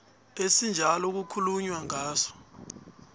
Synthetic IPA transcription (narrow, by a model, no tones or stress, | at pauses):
esind͡ʒʱalɔk̬ukʰuluɲwaŋaːsɔ̥